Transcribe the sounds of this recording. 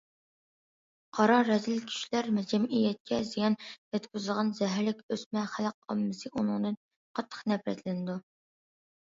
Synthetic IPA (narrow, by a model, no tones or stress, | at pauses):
qʰɑɾɑɾɛzɪlkʲʰy̥ʃlæɾmɛd͡ʒɛmʔijɛt̪̚kʲʰɛzijɑnjɛt̪kʲyzɨlʁɑnzɛɦɾlɪkʲøsmɛχæləq̚ɑ̰mːɨsɨʔunɨŋd̪ɨn | qʰɑt̪ʰːə̥χnɛpɾɛ̰t̪lɪnɪd̪u